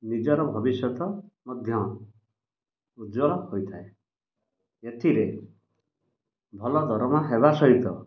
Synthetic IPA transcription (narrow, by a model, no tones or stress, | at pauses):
nid͡ʒɔɾɔbʱɔbisjɔt̪ɔmɔd̪ʱjɔ | ud̪d͡ʒɔlɔhojt̪ʰae | eʈʰiɾe | bʱɔlɔd̪ʱɔɾɔmɔɦeβasɔɦit̪ɔ